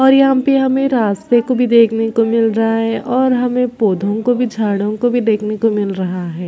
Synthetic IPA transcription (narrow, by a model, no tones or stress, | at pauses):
ɔːɾjɐɦãpeɦɐmẽɾaːst̪ekobʱid̪eːkʰnekomɪlɾɐɦaɦɛʔɔːɾɦɐmẽpoːd̪ʱõkobʱid͡ʒʱaːɽõkobʱid̪eːkʰnekomɪlɾɐɦaɦɛː